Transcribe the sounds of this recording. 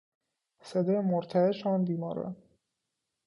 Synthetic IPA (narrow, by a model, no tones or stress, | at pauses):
sed̪ɒːjemoɾt̪ʰæeʃɒːnb̪iːmɒːɾɛ̰n